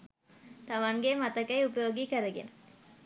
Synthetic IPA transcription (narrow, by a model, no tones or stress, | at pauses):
t̪amaŋɡemat̪əkːajupəjoːɡiːkəɾəɡḛnə